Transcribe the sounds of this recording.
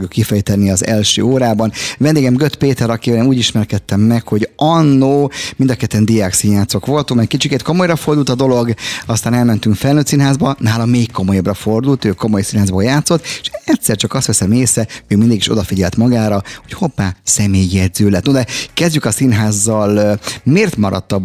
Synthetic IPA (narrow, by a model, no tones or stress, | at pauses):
ɡjukːifɛjt̪ɛnːiɒzɛ̰lʃø̰ːoːɾaːbɒnvɛnd̪eːɡɛmɡøt̪peːt̪ɛɾɒkivɛlɛmuːɟiʃmɛrkɛt̪ːɛmːɛkho̞ɟɒnːoːmind̪ɒkɛt̪ːɛnd̪ijaːksinjaːt̪so̞kʋo̞lt̪umɛkkit͡ʃiket̪ko̞mo̞jrɒfo̞rd̪ult̪ɒd̪o̞lo̞ɡɒst̪aːnɛlmɛnt̪yŋkfɛlnøːt̪siːnɦaːzbɒnaːlɒmeːkːo̞mo̞jɒbrɒfo̞rd̪ult̪øːko̞mo̞jsinɦaːzboːjaːt̪so̞t̪ːʃɛt̪sɛrt͡ʃɒkɒst̪ɛsɛmeːsɛøːmind̪iɡiʃo̞̰d̪ɒfiɟɛlt̪mɒɡaːɾɒho̞chopːaːsɛmeːjːɛd̪zøːlɛt̪nod̪ɛkɛzɟykɒsinɦaːzːɒlmeːrt̪mɒɾɒ̰t̪ːɒb